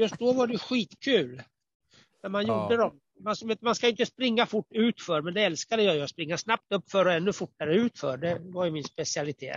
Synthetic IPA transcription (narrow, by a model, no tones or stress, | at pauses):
jɵst̪̚d̪ɔvaɖɛjɵɧiːt̪kʰʉ̟ːl | næɾmanjʊɖəd̪ɔm | mansvet̪manskajʏɪnt̪əspɾɪŋːafʊʈːʉ̟ːt̪fœɾmɛnd̪ɛɛlskad̪əjɑjaspɾɪŋːasnap̚t̪ɵpːfœɾɔɛnːɵfʊʈːaɾəʉ̟ːt̪fœ̰ɖɛvajɵmɪnspɛsɪalɪt̪ʰḛː